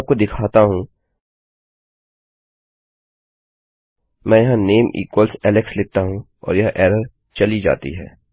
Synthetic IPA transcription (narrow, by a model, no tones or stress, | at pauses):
p̚kod̪ɪkʰaːt̪aɦũ | mɛ̃ːjɐɦãneːmʔḭːkwəlsɛːleksleːt̪aɦũ | ɔ̰ːɾjɐɦʔɛːɾəɾ | t͡ʃɐlid͡ʒa̰ːt̪ḭɦɛ̰ː